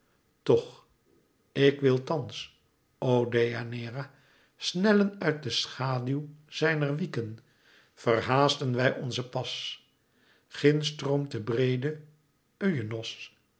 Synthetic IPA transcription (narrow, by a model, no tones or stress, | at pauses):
tɔχ | ɪkʋɪlˠtɑns | owdejanɪːra | snɛlənœɥt̚dəsχaːdywz̥ɛjnərʋikən | v̥ərɦaːzdənʋɛjʔɔnzəpɑs | χɪnstromtəbrejdə | øɥənɔs